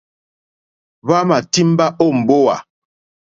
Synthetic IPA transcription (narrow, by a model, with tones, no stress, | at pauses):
βa˦ma˨ti˦m˦ba˦ʔo˦˨m̩˨bo˦wa̰˨